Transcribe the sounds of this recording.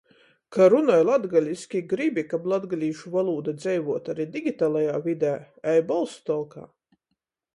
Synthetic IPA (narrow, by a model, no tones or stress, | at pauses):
kaɾunɔjlˠad̪ɡalʲiskʲiɡɾibʲikablˠad̪ɡalʲiːʃuvalˠuːd̪ad̪zʲɛjvuɔt̪aɾiːd̪ʲiɡʲit̪aːlˠajaːvʲid̪æː | ɛjbɔlˠst̪ɔlˠka̰ː